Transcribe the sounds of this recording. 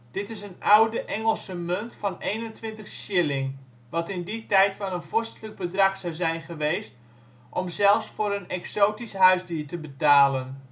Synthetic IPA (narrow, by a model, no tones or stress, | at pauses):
d̥ɪtɪsənawdəʔɛŋəlˠsəmɵntfɑnejnəntʋɪntəχʃɪlɪŋ | ʋɑtɪnditɛjtʋɛlˠənv̥ɔɹstələɡ̚bədrɑχsɑwzɛjnχəʋejst | ʔɔmzɛlˠfsfʊːɾənɛksowtisɦœɥzdiːɹtəbətaːlən